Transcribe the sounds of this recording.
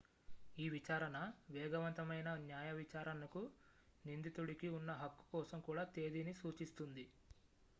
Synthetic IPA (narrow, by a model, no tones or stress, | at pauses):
iːʋit͡ʃaːɾɐnɐʋɛːɡɐʋɐnt̪ɐmɐjnɐnjaːjɐʋit͡ʃaːɾɐnɐku | nind̪it̪uɽikiunːɐɦɐkːu̥kɔːsɐmkuːɽaːt̪e̞ːd̪inisuːt͡ʃist̪und̪i